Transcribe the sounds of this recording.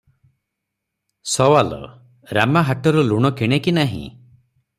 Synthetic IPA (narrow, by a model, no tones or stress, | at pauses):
sɔwalɔ̰ | ɾamaɦaʈɔɾɔluɽ̃ɔkiɽ̃ekinaɦḭ̃